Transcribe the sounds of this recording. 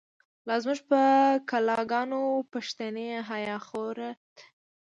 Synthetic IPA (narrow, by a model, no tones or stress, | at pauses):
lɑzmuʒpəkalɑɡɑnopaʃt̪aneɦajɑxoɾat̪